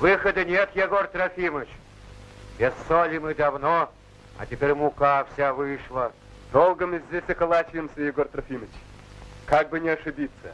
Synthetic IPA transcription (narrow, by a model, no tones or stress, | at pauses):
vɨxəd̪ɨnʲet̪jaɡort̪ɾɐfʲimət͡ɕ | bʲesːolʲɪmɨd̪ɐvno | ɐ̰tʲɪpʲeɾʲmʊkafsʲavɨʂlˠə | d̪̥olˠɡəmɨzʲdʲesʲɐkɐlˠat͡ɕɪjɪmsʲəjɪɡort̪ɾɐfʲimət͡ɕkaɡ̚bɨnʲɪɐʂɨbʲit̪sːə̰